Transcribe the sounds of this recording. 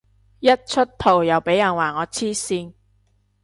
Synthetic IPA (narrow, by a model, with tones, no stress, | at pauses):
jɐ˥t̚t͡ʃʰɵ˥t̚t̪ʰo˨˩wjɐ˨˩wpe˨˥jːɐ˨˩nwaː˨˩ŋɔː˨˧t͡sʰiː˥siː˧n